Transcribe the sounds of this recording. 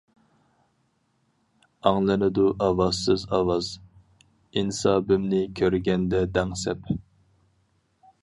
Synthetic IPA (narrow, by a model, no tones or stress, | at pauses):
ɑŋlˠɨnɨd̪uʔɑwɑzsɨzɑwɑz | insɑːbɪmnɪkʲʰøɾɡʲɛnd̪ɛd̪ɛŋsɛp